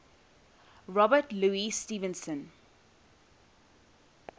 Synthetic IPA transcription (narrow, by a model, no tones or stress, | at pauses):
ɹɔbəʈluːistiːvə̃nsə̃n